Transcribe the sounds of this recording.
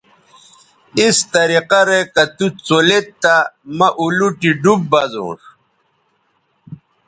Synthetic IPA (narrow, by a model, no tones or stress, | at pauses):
ist̪ɐɾiqɐɾekɐt̪ut͡solet̪ːamɐʔuluʈiɖub̚bɐzo̰ːʂ